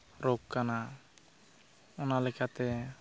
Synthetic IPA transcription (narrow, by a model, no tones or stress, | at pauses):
ɾɔkkana | ɔnalɛkat̪ɛ